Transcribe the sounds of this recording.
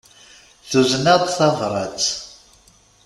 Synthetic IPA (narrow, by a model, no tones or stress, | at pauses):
θuznəd̪ˤθɑvɾˤɑ̰t͡s